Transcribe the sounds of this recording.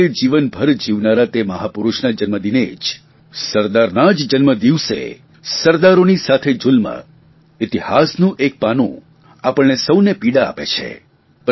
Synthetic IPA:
ed͡ʒiʋənbʱəɾd͡ʒiʋnaɾat̪eməɦapuɾuʃnad͡ʒənməd̪ined͡ʒ | səɾd̪aɾnad͡ʒd͡ʒənməd̪iʋsḛ | səɾd̪aɾonisat̪ʰed͡ʒulmə̰ | ɪt̪ihasnũʔek̚panṵ̃ | apəɭnesəwnepiɽaa̰pḛt͡ʃʰḛ | p

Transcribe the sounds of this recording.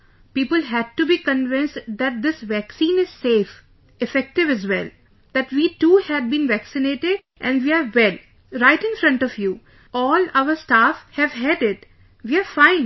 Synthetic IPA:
piːpəlɦæɖ̚ʈubiːkə̃nʋɪ̃nsʈd̪æʈ̚d̪ɪsʋæksĩːnɪz̥seːf | ɪfɛk̚ʈɪʋæzʋɛ̰l | d̪̥æʈʋiːʈuːhæɖ̚bĩnʋæksɪneːʈɪɖ | ʔɛ̃nɖʋiːaɾʋɛl | ɾaɪʈɪ̃nfɾʌ̃ɳʈɔʋju | ɔːlaʊəɾsʈaːfhɛʋɦɛɖɪʈ | ʋiːaɾfãɪ̃n

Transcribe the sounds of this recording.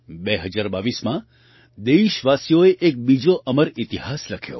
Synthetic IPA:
beɦəd͡ʒaɾbaʋismã | d̪eʃʋasijoeʔek̚bid͡ʒoʔəməɾit̪iɦasləkʰjo̰

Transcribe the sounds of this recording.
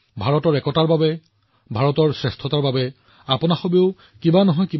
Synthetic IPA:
bʱaɹɔtɔɹɛkɔtaɹbabɛ | bʱaɹɔtɔɹsɹɛstʰɔtaɹbabɛ | apʊnaxobiʊ | kibanɔɦɔjki

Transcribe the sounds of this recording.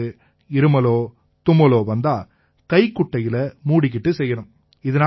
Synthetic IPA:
ɯ | ɪɾɯmɐloː | t̪ʊmɐloːʋɐnd̪aː | kɐɪkːʊʈːɐjɪlɐmuːɽɪk̬ːɪʈːɯsɛjːɐɳɯm | ɪðɐnaː

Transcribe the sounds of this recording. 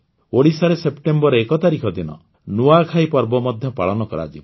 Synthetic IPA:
oɽisaɾesepʈembɔɾeekɔt̪aɾikʰɔd̪inɔ̰ | nuakʰajpɔɾbɔmɔd̪ʱjɔpa̰ɭɔnɔkɔɾa̰d͡ʒib

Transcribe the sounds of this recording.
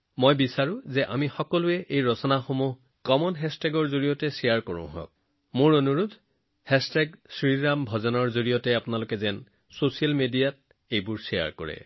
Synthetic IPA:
mojbisaɹʊ̃zɛʔamixɔkɔlʊɛʔejɹɔsɔnaxomuɦ | kɔmɔnɦɛstɛɡɔɹzoɹijɔtɛsijaɹkɔɹʊ̰̃ɦɔ̰̃k̚ | mʊɹonuɹud̪ʱ | hɛstɛɡsɹiɹambʱɔzɔnɔɹzoɹijɔtɛapʊnalʊkɛzɛn | sosialmedijat̚ | ejbʊɹsija̰ɹkɔ̰ɹɛ̰

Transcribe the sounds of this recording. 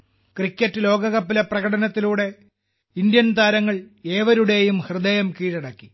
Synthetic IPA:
krikʲːɐtːɨlo̞ːɡɐɣɐpːilɐprɐɣɐɽɐnɐt̪ːiluːɽe̞ | ind̪jɐnt̪aːɾɐŋːɐɭeːʋɐɾuɽe̞jumhrɨd̪ɐjɐmkiːɻɐɽɐkːi

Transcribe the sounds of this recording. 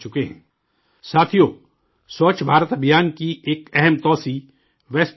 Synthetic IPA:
t͡ʃʊkeɦɛ̃ː | saːt̪ʰijo | soːt͡ʃbʱaːɾət̪əbʱjaːnkiʔeːkɛɦɛmt̪ɔːsi | ʋɛːs

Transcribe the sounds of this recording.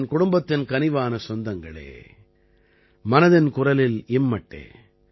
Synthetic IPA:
nkʊɽʊmbɐt̪ːɪnkɐnɪʋaːnɐsɔnd̪ɐŋɡɐɭḛː | mɐnɐðɪnkʊrɐlɪlɪmːɐʈːḛː

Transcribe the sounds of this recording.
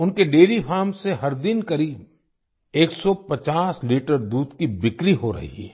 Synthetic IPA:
ʊnkeɖeːɾipʰaːɾmseɦɐɾd̪ɪnkɐɾiːb̚ | eːksɔpɐt͡ʃaːsliːʈəɾd̪uːd̪kibɪkɾiɦoɾɐ̰ɦḭɛ̰

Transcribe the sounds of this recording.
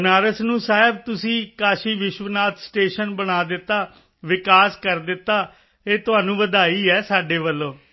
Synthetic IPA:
naːɾəsnũːsaːɪbt̪ʊsĩːkaːʃiːʋɪʃʋənaːt̪ʰsʈeːʃənbəñaːd̪ɪt̪ːaː | ʋɪkaːskəɾd̪ɪt̪ːaː | eːt̪ʊɦaːnũːʋəd̪aːiːɛːsaːɖeːʋəlːõː

